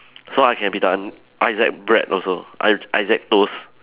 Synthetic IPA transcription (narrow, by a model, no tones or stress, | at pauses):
soajkʰɛ̃nbidãn | ʔaɪzɛ̰k̚bɹɛ̰tɔ̰lsoʔa̰ʔa̰ɪzɛk̚tos